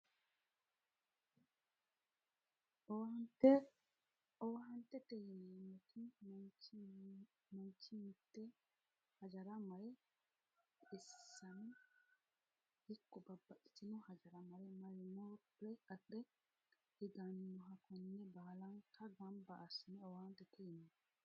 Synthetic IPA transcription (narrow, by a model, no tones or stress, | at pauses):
ʔɔwhɐnt̪ːɛ | ɔwɦɐnt̪ːɛt̪ɛjɪnemɛt̪ɪt͡ʃ | mɔnt͡ʃːɪnt̪ːɛ | hɐd͡ʒɐɾɐmɐɾɛ | ɪsːɐnɪ | hɪkːɔbɐbːɐʔɪ̥tɪnʊhɐd͡ʒɐɾɐmɐɾɛmɐɾɛmɔ | ɾɛɐᶑɛ | ɪɡɐnːʊɦɐkɔnːɛbalɐŋkːɐɡɐmbɐʔːsɪnɛɔwhɐnt̪ːɛt̪ʰɛjɪnːɛ